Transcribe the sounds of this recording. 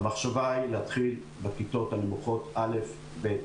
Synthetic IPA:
maχʃavailehat̪χil | bekit̪o̞t̪alemuχo̞t̪ale̞f | bet

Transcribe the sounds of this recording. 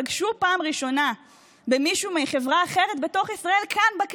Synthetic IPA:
aɡʃupaːmʁiʃo̞na | bemiʃumeχe̞vʁaːχe̞ʁet̪̚be̞to̞χisʁae̞lkʰanbak

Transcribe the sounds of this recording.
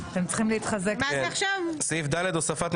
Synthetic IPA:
at̪emt͡sχimleit̪χazekaaχʃavsifd̪aled̪osafat̪m

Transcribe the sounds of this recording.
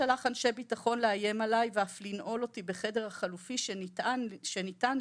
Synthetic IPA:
alaχanʃe̞jbitaχo̞nleaje̞malajveaflinʔo̞lo̞tibe̞χe̞de̞ʁhaχalufiʃ | ʃenitan

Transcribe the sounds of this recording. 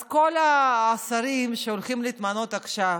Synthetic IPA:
ko̞laːsaɾimʃeolχimliːt̪mano̞t̪aχʃav

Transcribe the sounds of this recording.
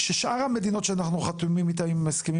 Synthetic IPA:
ʃeʃʔaʁhame̞d̪ino̞t̪ʃeanaχnuχat̪umimit̪aimːaskemi

